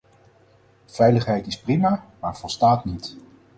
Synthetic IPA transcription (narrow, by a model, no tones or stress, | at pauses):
v̥ɛjləχɦɛjtɪsprimaːmaːɹv̥ɔlˠstaːtnit